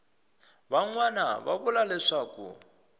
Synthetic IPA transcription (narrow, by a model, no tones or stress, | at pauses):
baŋwana̰βa̰βʊlalɪʂakʼṵ